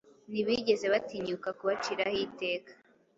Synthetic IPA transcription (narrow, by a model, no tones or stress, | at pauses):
niβiɟe̞ze̞βatiɲukakuβat͡ʃiɾahite̞ːkḁ